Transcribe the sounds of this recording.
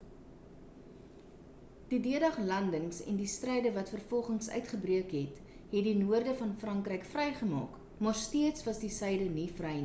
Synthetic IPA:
d̥idiədɐχlɐndəŋsɛ̰ndistrɛjdəvɐtfərfɔlˠχəŋsœ̰ɥtχəbriəkɦɛt | ɦɛtdinuərdəfɐnfrɐŋkrəjkfrɛjχəmɑ̰ːk | mɑːrstiətsvɐsdisɛjdənifrɛjn

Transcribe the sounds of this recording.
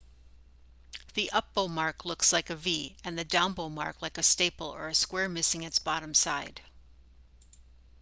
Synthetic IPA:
ðiʔʌp̚b̥oʊmɑɹklʊkslaɪkɨviɨ̃nðɨdãʊ̃nboʊmɑ̰ɹklaɪkɨsteɪpl̩ˠə̰˞ɨskwɛɹmɪsɪ̃ŋɨtsb̥ɑɾɨ̃msaɪd̥

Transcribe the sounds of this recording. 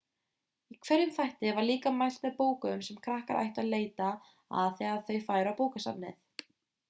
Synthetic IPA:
ikʰvɛɾjʏmθajht̪ɪvaɾliːkamajl̥t̪mɛðpoːwkʏmsɛmkʰɾahka̰ɾʔa̰jht̪aðleːjt̪a | a̰ðθiaaðθœɥfaːjɾawpoːwkasa̰nːɪ̰θ

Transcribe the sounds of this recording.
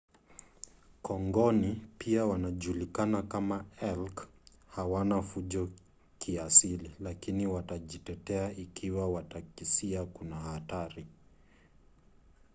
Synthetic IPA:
kʰɔŋɡɔnipiawanaʄulikanakamaɛlkhawanafuʄɔ | kiasililakiniwataʄitɛtɛaikʰiwawatakisiakunahataɾi

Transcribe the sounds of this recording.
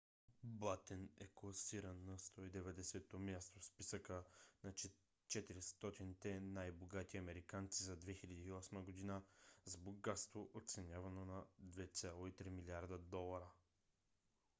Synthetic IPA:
bat̪ɛnɛ̰klˠɐsiɾənːɐst̪ɔid̪ɛvɛd̪ɛsɛt̪omʲjast̪ofspisəkənɐ | t͡ʃɛt̪iɾist̪ɔt̪init̪ɛnajboɡat̪iɐmɛɾikant̪sizɐd̪vɛxilʲɐd̪iːɔsməɡod̪inəzboɡɡat̪st̪voʔot̪t̪sɛnʲavɐnonɐd̪vɛt̪sʲalˠoit̪ɾimiliaɾd̪əd̪ɔlˠɐɾə

